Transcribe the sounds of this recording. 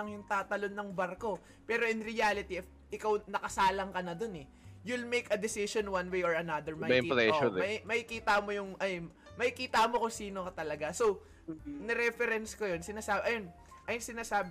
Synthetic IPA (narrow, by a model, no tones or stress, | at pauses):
ɐŋjʊŋt̪aːt̪ɐlo̞nːɐŋbɐɾko̞ | pɛːɾo̞ʔɪnɾɪjalɪt̪iɛf | ʔɪkawnɐkɐsaːlɐŋkɐnɐd̪o̞nɛ | jʊlmejkɐd̪ɪsɪʃonwɐ̃nwejoɹɐnɐd̪ɛɹmɐplɛoɐmɐkikiːt̪ɐmo̞jʊŋʔɐ | mɐkikiːt̪ɐmo̞kʊŋsiːnokɐt̪ɐlɐɡasow | nɛɾɛfɛɾɛnskojonsɪnaːsaːbʔɐjon | ʔɐjʊŋsɪnaːsaːb